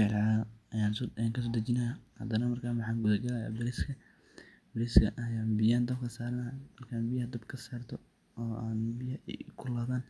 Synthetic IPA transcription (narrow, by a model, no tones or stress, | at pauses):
ʕlʕaːɐjaːnsːŋkʰɐs̬ɔːd̪ɐt͡ʃɪnɐhɐ̰d̪ɐnɐmɐrkʰaːmɐħɑːŋɡʊðɐɡɐlɐja̰ːbɐɾiskʰɐ | b̥ɐɾiskʰɐʔɐjaːnbɪjaːnd̪ɐbkʰɐsaːɾɐnamɐrkʰaːnbɪjɐhɐd̪ɐbkʰɐsaːrt̪ʰɔ | ɔːaːnbɪjɐ̰kʰʊlaːðaːn